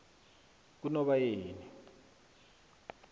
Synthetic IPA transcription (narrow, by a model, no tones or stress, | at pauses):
k̬unɔɓajeːni